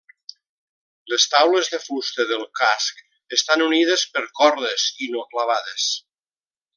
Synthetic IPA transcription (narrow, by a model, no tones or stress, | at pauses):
ləst̪awləzðəfust̪əðəlˠkask | əst̪anuniðəspəɾkɔɾðəzinoklaβaðes